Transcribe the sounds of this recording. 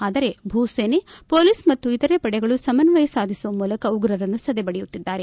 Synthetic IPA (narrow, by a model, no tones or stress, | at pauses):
aːd̪ɐɾe̞bʱuːseːnepo̞ːliːsmɐt̪ːuit̪ɐɾepɐɽɛɡɐɭusɐmɐnɐʋɐjɐsaːd̪ʱisuʋɐmuːlɐkɐuɡɾɐɾɐnːusɐd̪ebɐɽɛjut̪ːid̪ːaːɾe̞